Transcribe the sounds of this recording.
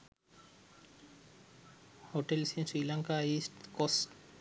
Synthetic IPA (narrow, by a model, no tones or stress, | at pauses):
hoʈelsĩsɾiːlaŋkaisʈkosʈ